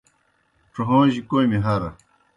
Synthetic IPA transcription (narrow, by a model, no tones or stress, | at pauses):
ʈ͡ʂoɦõːʑikojmiɦɐɾɐ̰